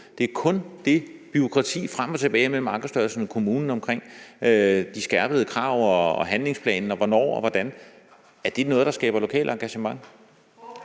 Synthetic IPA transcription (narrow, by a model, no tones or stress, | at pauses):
d̥e̝æɐkʰɔ̽nd̥e̝b̥yo̝kʰʁɑ̈t͡sʰḭːfʁam̰ɒt͡sʰe̝b̥ɛːɪmelmɑ̈ːɡ̥ð̩sd̥ɶɐlsn̩kʰo̝muːnn̩ɒ̽mkʰʁeŋ̰ød̥isɡ̥æɐb̥əð̩ˠəkʰʁɑ̈ːʊ̰ɒːɦænle̝ŋspʰlɛ̰ːnn̩ɒ̽ʋɒnɒ̰ːɒ̽ʋɒd̥æn | æɐd̥e̝nɔ̽ːðˠd̥ɑ̈sɡ̥ɛ̰ːb̥ɐlo̝kʰɛ̰ːlʔəɑ̈ŋɡ̥æɕəmɑ̈ŋ̰